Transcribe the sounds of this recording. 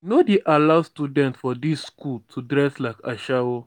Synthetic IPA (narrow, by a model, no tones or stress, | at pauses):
nodeʔalaʊstjudɛ̃ntfɔdisːkʰultʰudɹɛslaɪka̰ʃawo